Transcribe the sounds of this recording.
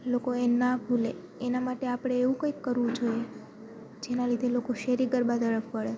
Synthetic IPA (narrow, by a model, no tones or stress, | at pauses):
lokoenabʱule | enamaʈeapɽ̃eːʋũkə̃ikːəɾʋũd͡ʒoje | d͡ʒenalid̪ʱelokoʃeɾiɡəɾbad̪əɭəfpəɭe